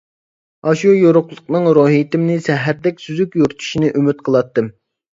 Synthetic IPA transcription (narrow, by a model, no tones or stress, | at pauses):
ɑʃujoɾʊqlˠʊqnɨŋɾoːɦit̪ɪmnɪsɛɦæɾd̪ɛk̚ʲsyzykʲjoɾt̪ʰu̥ʃinɨʔymyt̪̚qʰəlˠɑt̪ːɨm